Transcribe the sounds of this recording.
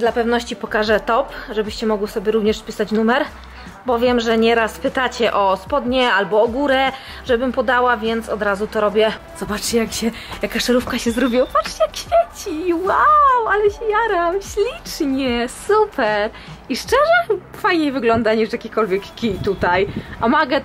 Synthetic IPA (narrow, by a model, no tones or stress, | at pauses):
d̪lapɛvnɔɕt͡ɕipɔkaʐɛt̪ɔpʐɛbɘɕt͡ɕɛmɔɡwisɔbʲjɛɾuvɲɛʂspʲisat͡ɕnumɛɾ | bɔvʲjɛmʐɛɲɛɾaspɘt̪at͡ɕɛʔɔspɔd̪ɲɛalbɔːɡuɾɛ | ʐɛbɘmpɔd̪awavʲjɛnt̪sɔd̪ɾazut̪ɔɾɔbʲjɛ | z̥ɔbat͡ʂt͡ɕɛjakɕɛ | jakaʂɛɾufkaɕɛzɾubʲiwabat͡ʂt͡ɕɛjakɕfʲjet͡ɕiwawalɛɕɛjaɾamɕlʲit͡ʂɲɛsupʰɛɾ | iʂt͡ʂɛʐɛfajɲejvɘɡlɔnd̪aɲiʂjakʲikɔlvʲjɛkkʲit̪ut̪ajʔamaɡɛ